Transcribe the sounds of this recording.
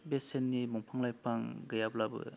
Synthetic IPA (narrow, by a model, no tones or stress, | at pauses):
besenːimɔŋpʰaŋlajpaŋɡɯjablabɯ̰